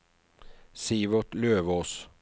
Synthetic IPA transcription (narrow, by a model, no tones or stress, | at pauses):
siːʋəʁt̪løːʋoːs